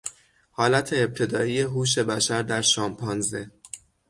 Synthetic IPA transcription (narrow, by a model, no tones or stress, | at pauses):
hɒːlæt̪ʰe̞ːb̚t̪ʰe̞d̪ɒːije̞ɦuːʃ̬e̞bæʃæɾd̪æɾʃɒːmpʰɒnze̞